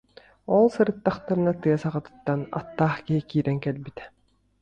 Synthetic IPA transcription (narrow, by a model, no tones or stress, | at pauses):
ɔlˠsɯɾɯt̪ːaχt̪aɾɯnat̪ɯɐsaʁat̪ɯ̥t̪ːana̰t̪ːaːχkiɦikiːɾɛŋkɛlbit̪ɛ̥